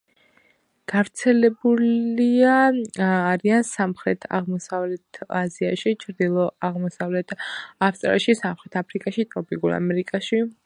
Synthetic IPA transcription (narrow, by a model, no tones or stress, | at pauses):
ɡ̥avɾt̪sʰɛlɛbuliaː | ɾiansamχɾɛt̪ʰa̰ʁmɔsavlɛt̪ʰaziaʃit͡ʃʰɾd̪ilˠɔaʁmɔsavlɛt̪ʰafst̪ʼɾa̰ʃisamχɾɛt̪ʰapʰɾikʼaʃit̪ʼɾɔpʼiɡuɾa̰mɛɾikʼaʃi